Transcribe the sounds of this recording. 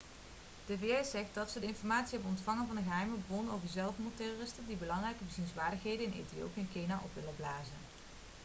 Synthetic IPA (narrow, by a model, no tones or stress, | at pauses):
d̥eveɛzɛχt̚dɑtsədəɪnfɔɹmaːtsiɦɛbənɔntfɑŋənvɑndəɣəɦɛjməbəbɔnowkəzɛlˠfɔndətɛroːrɪstəndibəlɑŋrɛjkəvəzinzʋaːɹdəxɦejdənɪnḛjtijo̰piɪnkejnaʔɔpʋɪlənblaːzən